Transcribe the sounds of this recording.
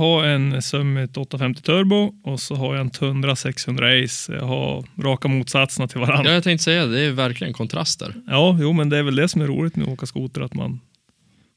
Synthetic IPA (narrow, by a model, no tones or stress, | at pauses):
haɾɛnsœmːɪt̪ɔt̪ːafɛmt̪ɪ̥t̪ʰœɾbʊɔsɔɦaɾjaɛnt̪ʰɵnd̪ɾasɛkshɵnd̪ɾaɛjsjɑ̰ɦa̰ɾɑːkamuːt̪sat̪sənat̪ʰɪlvaɾanːjat̪ɛŋkt̪sɛjːad̪ɛːvæɾklɪɡənkʰɔnt̪ʰɾa̰st̪dæ̰ɾjɑːjuːmɛnd̪ɛæɾvɛld̪ɛsɔmæɾṵːlɪt̪mɛ̰oːkaskuːt̪əɾat̪ma̰n